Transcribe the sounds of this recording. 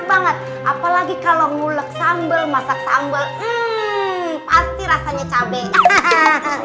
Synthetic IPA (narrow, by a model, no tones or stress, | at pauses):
baŋət̪̚ | ʔapalaɡikaloŋulək̚sambəlmasak̚sa̰mbəlm̩ | past̪iɾasaɲat͡ʃabɛʔ